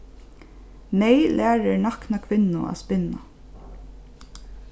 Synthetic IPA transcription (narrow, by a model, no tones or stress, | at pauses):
mɛjlʔæːɹɪɳaknakʰʋɪnːʊʔa̰spɪna̰